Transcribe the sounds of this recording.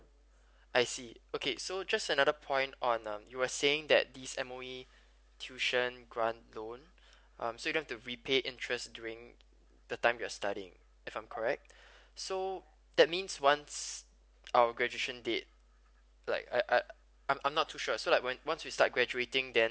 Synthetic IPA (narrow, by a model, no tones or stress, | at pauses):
ʔaɪsiokʰesod͡ʒastənadəpʰɔ̃ɪ̃ntɔ̃nʌ̃mjuwəseɪ̃ŋdɛ̰t̚d̪isɛ̃moi | tʰjuʃə̃nɡɹãntlõn | ʔʌ̰̃msojdõnɦɛftuɹipʰeʔɪ̃ntʰɹɛstdjuɹɪ̃ŋ | d̥ətãɪ̃mwiastaɾiɪ̰̃ŋ | ɪfãɪ̃mkʰɔɹɛk̚t̚ | so | d̥̪ɛt̚mĩnswãns | awəɡɹɛd͡ʒueʃə̃ndet̚ | la̰ɪkaʔa | ãɪ̃mʔãmnɔtʰːuʃɔsolaɪkwɛ̃nwãnswista̰t̚ɡɹɛd͡ʒuetɪ̃ŋdɛ̃n